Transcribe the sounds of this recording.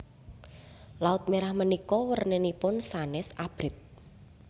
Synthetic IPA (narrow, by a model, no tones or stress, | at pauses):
laʊt̪̚meɾahmənikɔwərnenipʊnsanɛsab̥ɾɪt̪̚